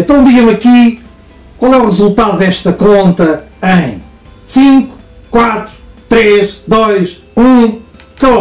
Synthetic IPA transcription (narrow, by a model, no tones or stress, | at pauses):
ẽnt̪ɐ̃w̃d̪iɣɐmɐki | kwalˠɛuʁɨzulˠt̪aðuðɛʃt̪ɐkõnt̪ɐɐ̃j̃ | sĩŋku̥kwat̪ɾu̥t̪ɾeʃd̪ojʃ | ũkɐ